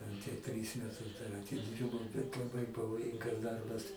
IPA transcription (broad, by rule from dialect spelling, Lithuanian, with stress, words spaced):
ˈtʲɛn tʲiɛ ˈtʲrʲiːs mʲɛˈtʊs dɐr ɐtʲɪˈdʲiːrbɐʊ bʲɛt lˠɐˈbɐɪ pɐʋoːˈjɪŋɡɐs ˈdɐrbɐs